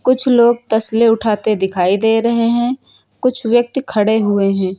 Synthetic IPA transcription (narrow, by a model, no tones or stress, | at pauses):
kʊt͡ʃʰloːɡ̚t̪ɐsleʊʈʰaːt̪ed̪ɪkʰaːid̪eːɾɐɦeɦɛ̃ː | kʊt͡ʃʰwjək̚t̪kʰɐɽeɦʊeɦɛ̃ː